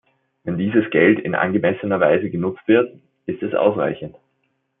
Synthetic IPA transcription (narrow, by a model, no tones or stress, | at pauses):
vɛndiːzəsɡ̥ɛltɪ̰nʔa̰nɡəmɛsənɐva̰ɪzəɡənʊt͡stv̥ɪɐt | ʔɪstɛsʔa̰ʊsʁa̰ɪçən̩t